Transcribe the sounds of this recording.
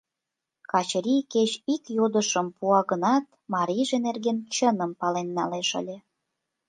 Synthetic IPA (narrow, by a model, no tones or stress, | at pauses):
kɑt͡ɕɾʲijket͡ɕikjod̪əʃəmpuɑɣənɑt̪ | mɑɾʲijʒenerɣent͡ɕənəmpɑlenːɑleʃə̰lʲe